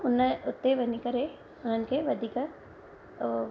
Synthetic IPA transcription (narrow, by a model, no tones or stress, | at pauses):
ʊnəʊt̪ːeʋɐnikɐɾe | ʊn̤ənɪ̆kʰeːʋɐd̪ʱiːkə